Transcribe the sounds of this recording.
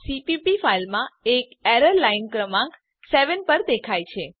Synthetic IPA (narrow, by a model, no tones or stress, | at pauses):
sipipifailmãekɛɾəɾlainkɾəmãk | sɛʋənpəɾd̪ekʰajt͡ʃʰe